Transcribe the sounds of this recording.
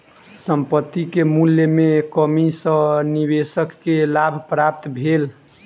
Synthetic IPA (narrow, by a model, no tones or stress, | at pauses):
səmpət̪ːikemuljəmekəmisə̃nibesəkːelabʱpɾap̚t̪bʱel